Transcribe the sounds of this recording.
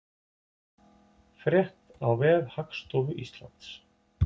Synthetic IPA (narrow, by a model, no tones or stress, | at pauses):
fɾjɛht̪awvɛːðhakst̪oːwvʏʔist̪la̰nt̪s